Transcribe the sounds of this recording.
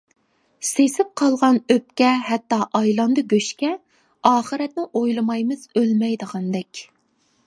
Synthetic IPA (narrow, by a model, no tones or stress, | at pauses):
sesɪp̚qʰɑlˠʁɑnøpkʲɛɦɛt̪ːɑʔɑjlˠɑnd̪ɨɡʲøʃkʲɛ | ɑːχəɾɛt̪̚nɪʔojlˠɨmɑjmɨz̥ølmɛjd̪əʁɑnd̪ɛkʲ